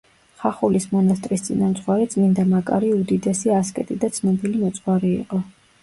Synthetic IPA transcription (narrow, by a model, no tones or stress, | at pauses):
χaχulismɔnast̪ʼɾist̪sʼḭnamt̪sʼwaɾɛt̪sʼmind̪amakʼa̰ɾiud̪id̪ɛsiaskʼɛ̰t̪ʼid̪at̪sʰnɔbilimɔt̪sʼχwaɾiḭqʼɔ